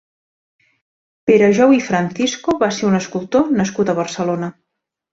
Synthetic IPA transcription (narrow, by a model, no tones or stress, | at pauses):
peɾəʒɔwifɾənθiskuβaseɾunəskulˠt̪onəskut̪əβəɾsəlonə